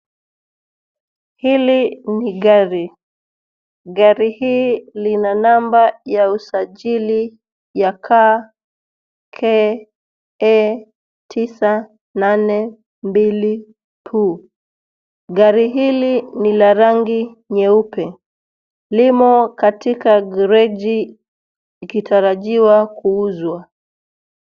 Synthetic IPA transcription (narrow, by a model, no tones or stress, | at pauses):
hiliniɡaɾi | ɡaɾihiːlinanambajausaʄili | jakʰa | kʰɛ | ɛ | tʰisa | nanɛ | mbili | tʰu | ɡaɾiɦilinilaɾaŋɡi | ɲɛupɛ | limɔkatikaɡɾɛʄi | ikitʰaɾaʄiwakuuzwa